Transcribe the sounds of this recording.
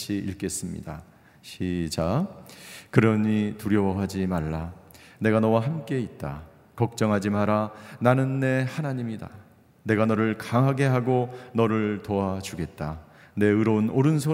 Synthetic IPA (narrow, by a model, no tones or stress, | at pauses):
t͡ɕʰiiɭk͈e̞s͈ɯmɲḭda̰ | ɕʰid͡ʑa | kɯɾʌɲituɾjʌwʌɦad͡ʑimaɭːa | ne̞ɡanʌwaɦamk͈e̞it̚t͈a̰ | kʌk̚t͡ɕ͈ʌŋɦad͡ʑimaɾananɯnːe̞hanaɲimida̰ | ne̞ɡanʌɾɯɭkaŋɦaɡe̞ɦaɡonʌɾɯɭtoat͡ɕuɡe̞t̚t͈a | ne̞ɯɾʌunoɾɯnsʰo